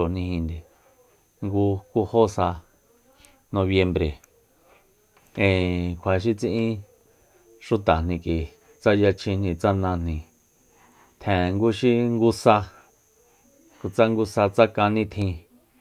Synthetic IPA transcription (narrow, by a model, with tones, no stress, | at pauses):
o˨nĩ˧hĩ˧nd̪e˨ | ŋɡu˧ku˧ho˦sa˧ | nõ˧βje˧mbɾe˨ | ẽ˨kʷʰa˨ʃ̬i˦t͡sĩ˧ʔĩ˦ | ʂu˧t̪a˨nĩ˧ki˨ | t͡sa˦ja˧t͡ʃʰĩ˧nĩ˧t͡sa˧nã˧n̥nĩ˧ | t̪ʰẽ˨˧ŋɡu˧ʃi˦ŋɡu˧sa˧ | ku˨t͡sa˦ŋɡu˧sa˧t͡sa˦kã˧nĩ˦t̪ʰĩ˧